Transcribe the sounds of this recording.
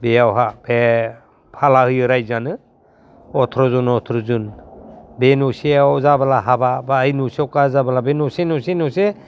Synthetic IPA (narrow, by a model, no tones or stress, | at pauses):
bejawɦabe | pʰalahɯjɯɾajzanɯ | ɔtʰɾɔzunɔtʰɾɔzun | benuseawzabalaɦababaːjnusiɔwkazabalabenusenusenɔse